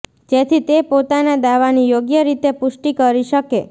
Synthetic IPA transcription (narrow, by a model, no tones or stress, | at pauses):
d͡ʒet̪ʰit̪epot̪anad̪aʋanijoɡjəɾit̪epʊʃʈikəɾiʃəke